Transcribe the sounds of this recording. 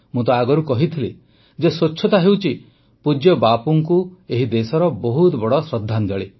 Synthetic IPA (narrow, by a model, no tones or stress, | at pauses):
mũt̪ɔaɡɔɾukɔɦit̪ʰile | d͡ʒesot͡ʃːʃʰɔt̪aɦewt͡ʃʰi | pud͡ʒjɔbapuŋkueɦid̪esɔɾɔbɔɦut̪bɔɽɔsɾɔd̪ʱːand͡ʒɔɭe